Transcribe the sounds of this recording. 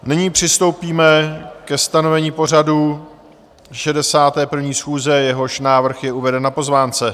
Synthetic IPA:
nɪɲiːpr̝̥ɪst̪o̞wpiːmɛkɛst̪ano̞vɛɲiːpo̞r̝aduː | ʃɛdɛsaːt̪ɛːpr̩vɲiːsxuːzɛjɛɦo̞ʃnaːvr̩xjɛʔuvɛdɛnnapo̞zvaːnt͡sɛ

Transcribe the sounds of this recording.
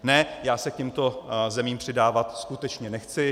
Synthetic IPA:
nɛjaːsɛkcɛmt̪o̞zɛmiːmpr̥ɪdaːvat̪skut̪ɛt͡ʃɲɛnɛxt͡sɪ

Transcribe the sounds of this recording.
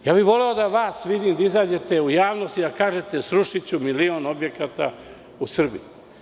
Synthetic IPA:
jaːbiʋo̞leo̞d̪aʋaːsʋid̪iːmd̪aizaːd͡ʑe̞t̪e̞ujaːʋno̞st̪id̪akaːʒe̞t̪e̞sɾuʃit͡ɕumilio̞ːnobje̞kat̪a̰ | usr̩bḭj

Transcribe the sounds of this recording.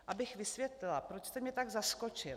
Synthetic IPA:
ʔabɪxvɪsvjɛt̪lɪlapɾot͡ʃst̪ɛmɲɛt̪aɡzaskot͡ʃɪl

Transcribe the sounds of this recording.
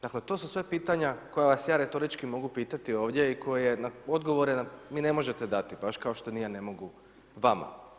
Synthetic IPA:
d̪̥akle̞t̪osusʋepiːt̪aɲako̞jaʋasjaːɾet̪o̞ɾit͡ʃkimo̞ɡupiːt̪at̪io̞ːʋd̪ʲje̞ikʰo̞jejenao̞d̪ɡo̞ʋo̞ɾenaʋiːne̞mo̞ʒe̞t̪ed̪at̪ibaʃkao̞ʃt̪o̞nijane̞mo̞ɡu | ʋama̰

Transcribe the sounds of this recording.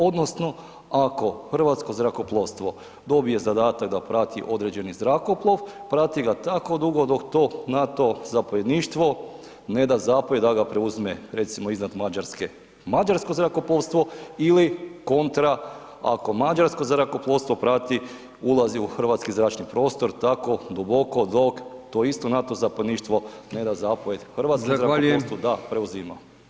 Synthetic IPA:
o̞d̪no̞sno̞ | ako̞xr̩ʋat̪sko̞zɾakoplˠoʋst̪ʋo̞ | d̪o̞bije̞zad̪aːt̪aɡ̚d̪apɾat̪iʔo̞d̪ɾed͡ʑe̞nizɾako̞plˠo̞ʋpɾat̪iɡat̪ako̞d̪uɡod̪okt̪o̞nat̪o̞zapojed̪niːʃt̪ʋo̞ | ne̞d̪azaːpoid̪aɡapɾeuzmeɾe̞t̪simoiznad̪mad͡ʒaɾske | mad͡ʒaɾskozɾakoplˠoʋst̪ʋo̞iliko̞nt̪ɾa | a̰ko̞mad͡ʒaɾsko̞zɾako̞plˠo̞st̪ʋo̞pɾat̪i | ulˠaziuxɾʋat̪skizɾaːt͡ʃnipɾo̞ːst̪o̞ɾt̪ako̞d̪ubo̞kod̪o̞kt̪oist̪o̞nat̪ozapojed̪niʃt̪ʋo̞ne̞d̪azapoʋjed̪xɾʋat̪skozɾaast̪od̪apɾeuzima̰

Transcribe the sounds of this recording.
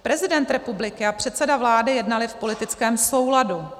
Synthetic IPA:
pɾɛzɪdɛnt̪ɾɛpublɪkɪapr̥ɛt̪sɛdavlaːdɪjɛdnalɪfpo̞lɪt̪ɪt͡skɛːmso̞wladu

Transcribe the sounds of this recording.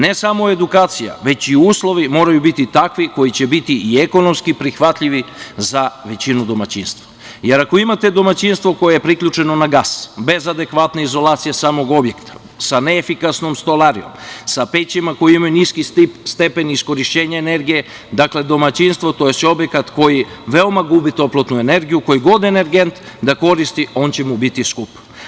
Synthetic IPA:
ne̞samo̞e̞d̪ukaːt̪sija̰ʋe̞t͡ɕiuːslˠo̞ʋimo̞ːɾajubit̪it̪akʋiko̞jit͡ɕe̞bit̪iːe̞ko̞no̞mskipɾixʋat̪ʎiʋizaʋe̞t͡ɕinud̪o̞mat͡ɕinst̪ʋa | je̞ɾako̞imat̪e̞d̪o̞mat͡ɕinst̪ʋo̞ko̞jejepɾikʎʲut͡ʃe̞no̞naɡasbe̞zad̪e̞kʋat̪neizo̞lˠaːt̪sijesaːmo̞ɡo̞bje̞kt̪ʰḁ | saneːfikasno̞mst̪olˠaɾio̞̰msapet͡ɕimako̞jiimajuniskist̪ipst̪e̞pe̞nisko̞ɾiʃt͡ɕe̞ːɲaene̞ɾɡije̞ | d̪akle̞d̪o̞mat͡ɕinst̪ʋot̪oje̞seo̞bje̞kat̪ko̞jiʋe̞o̞maɡubit̪o̞plˠot̪nue̞ne̞ɾɡijuko̞jiɡo̞d̪e̞neɾɡe̞nt̪ | d̪ako̞ɾist̪io̞ːnt͡ɕe̞mubit̪iskup

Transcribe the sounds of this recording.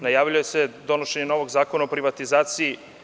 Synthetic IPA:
najaːʋʎuje̞se̞d̪o̞noʃe̞ɲeno̞ʋoɡzaːko̞naopɾiʋat̪izaːt̪siː

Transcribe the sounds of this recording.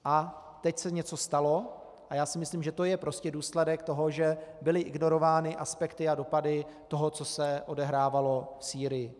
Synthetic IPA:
ʔa | t̪ɛcsɛɲɛt͡so̞st̪alo̞ | ʔajaːsɪmɪsliːmʒɛt̪o̞jɛpɾo̞scɛduːslɛdɛkt̪o̞ɦo̞ʒɛbɪlɪʔɪɡno̞ɾo̞vaːnɪʔaspɛkt̪ɪado̞padɪ | t̪o̞ɦo̞t͡so̞sɛʔo̞dɛɦɾaːvalo̞fsiːɾɪjɪ

